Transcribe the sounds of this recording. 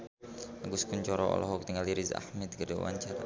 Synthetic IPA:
aɡʊskuɲt͡ʃɔɾɔɔ̰lɔɦɔk̚t̪iŋaliɾiza̰hmɛt̪̚ɡədɛwa̰ɲt͡ʃara

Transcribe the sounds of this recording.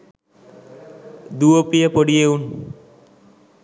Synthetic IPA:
d̪uopijepoɽijeun

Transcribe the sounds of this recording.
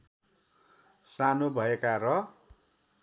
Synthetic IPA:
sanobʱʌekaɾʌ

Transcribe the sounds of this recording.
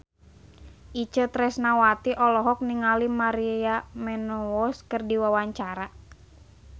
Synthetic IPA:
ʔit͡ʃət̪ɾɛsnawat̪iʔɔlɔɦɔk̚niŋalimaɾiamɛnɔɔskərdiwawaɲt͡ʃaɾa

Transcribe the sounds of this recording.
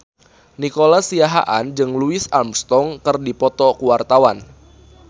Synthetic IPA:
nikolasiaɦa̰ʔand͡ʒɨŋluɪsamst̪ɔŋkɨrdipɔt̪ɔkuwart̪awan

